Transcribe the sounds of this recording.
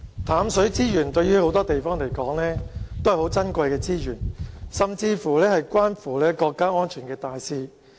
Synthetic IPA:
t̪ʰaː˨˥msɵ˨˥ɥt͡siː˥jyː˨˩nt̪ɵ˧ɥyː˥ho˨˥wt̪ɔː˥t̪e˨jfɔː˥ŋle˨˩jkɔː˨˥ŋlɛː˥t̪o˥whɐ˨˩ho˨˥wt͡sɐ˥nkʷɐ˧jkɛː˧t͡siː˥jyː˨˩nsɐ˨mt͡siː˧fuː˨˩lɛː˥hɐ˨jkʷaː˥nfuː˨˩lɛː˥kɔː˧kːaː˥ŋɔː˥nt͡ʃʰyː˨˩nkɛː˧t̪aː˨jsiː˧

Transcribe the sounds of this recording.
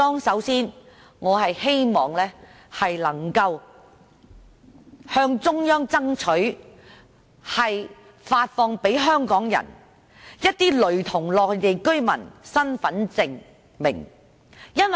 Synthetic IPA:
ɔː˥ŋsɐ˨˥wsiː˥n | ŋɔː˨˧ɦɐ˨jhe˥jmɔː˨ŋlɛː˥ | hɐ˨jlɐ˨˩ŋkɐ˧w | hœː˥ŋt͡sʊ˥ŋjœː˥ŋt͡sɐ˥ŋt͡ʃʰɵ˨˥ɥ | hɐ˨j | faː˧t̚fɔː˧ŋpe˨˥jɦœː˥ŋkɔː˨˥ŋjɐ̰˨˩n | jɐ˥t̚t̪iː˥lɵ˨˥ɥt̪ʰʊ˨˩ŋlɔː˨k̚je˨˧jkɵ˥ɥmɐ̰˨˩nsɐ˥nfɐ˨˥nt͡sɪ˨ŋ | mɪ̰˨˩ŋ | jɐ˥nwɐ˨

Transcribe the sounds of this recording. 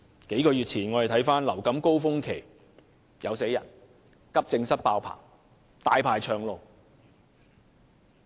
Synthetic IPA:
ke˨˥jkɔː˧jyː˨t̚t͡sʰiː˨˩nŋɔː˨˧ɾt̪ʰɐ˨˥jfaː˥nlɐ˨˩wkɐ˨˥mko˥wfʊ˥ŋkʰe˨˩j | jʔɐ˨˧wse˨˥jɐ̰˨˩n | kɐ˥p̚t͡sɪ˧ŋsɐ˥t̚paː˧wpʰa̰ː˨˩ŋ | t̪aː˨˧jpʰaː˨˩jt͡ʃʰœː˨˧ŋlo˨˧w

